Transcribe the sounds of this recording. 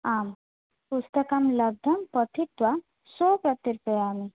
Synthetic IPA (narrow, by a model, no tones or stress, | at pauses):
am | pust̪əkamlɐb̚d̪ʱɐmpət̪ʰit̪ʋa | sopɾət̪ːiɾupəjaːmi